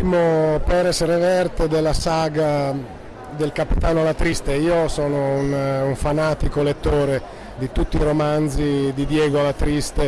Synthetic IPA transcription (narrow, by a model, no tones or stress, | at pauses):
imopɛɾesrevɛrt̪ed̪elːasaːɡa | d̪elkapit̪aːnoalat̪ɾist̪eiːosɔːnounuɱfanaːt̪ikolet̪ːoːɾe | d̪it̪ut̪ːiːɾomand̪zid̪id̪jɛːɡoalat̪ɾist̪e